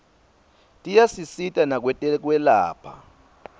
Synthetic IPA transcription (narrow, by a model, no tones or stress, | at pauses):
tʼijasisitʼanak̬wɛɛk̬wɛlaːpʰa̰